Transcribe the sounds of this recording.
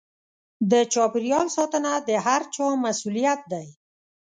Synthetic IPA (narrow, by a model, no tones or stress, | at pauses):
d̪ət͡ʃɑpɪɾijɑlsɑt̪ənad̪əɦaɾt͡ʃɑmasulijat̪̚d̪aj